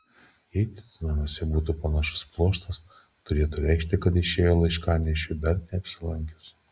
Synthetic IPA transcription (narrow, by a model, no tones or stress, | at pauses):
jɛɪt̪ʲɪ̥t̪ʲnɐmuɔsʲɛbuːt̪uːpɐnɑʃʊ̥splˠuɔʃt̪ɐs | t̪ʊɾʲeːt̪ʊɾʲæɪkʃʲt̪ʲɪkɐt̪ɪʃʲeːjoːlˠɐɪʃkɑːnʲɛʃʲʊd̪ɐɾnʲɛɐpʲsʲɪlˠɐŋʲkʲʊs